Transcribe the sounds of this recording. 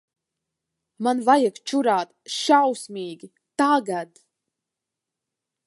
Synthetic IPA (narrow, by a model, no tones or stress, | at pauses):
manvajakt͡ʃuɾaːt̪ʃawsmʲiːɡʲi | t̪aɡad̪